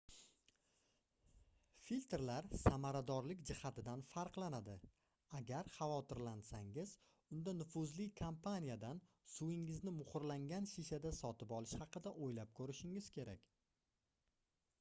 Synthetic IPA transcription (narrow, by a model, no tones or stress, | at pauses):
filʲt̪ɾlaɾsamaɾad̪ɒɾlɪkʲd͡ʒɪhat̪ɪd̪anfaɾqlˠanad̪ɪ | aɡʲaɾχɑvɒt̪ɪɾlansaŋɪz | ʊnd̪anʊfʊzlɪkʰompʰanijad̪an | sʊɪŋɪznɪmʊχʊɾlaŋɡʲanʃiʃad̪asɒt̪ɪpɒlˠɪʃhɑqɨd̪aʔojlap̚kʰɵɾɪʃɪŋɪz̥kʲʰe̞ɾʔakʲ